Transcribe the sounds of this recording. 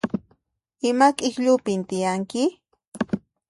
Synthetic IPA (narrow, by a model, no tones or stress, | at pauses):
ɪmakʼɪxʎʊpɪnt̪ɪjaŋkɪ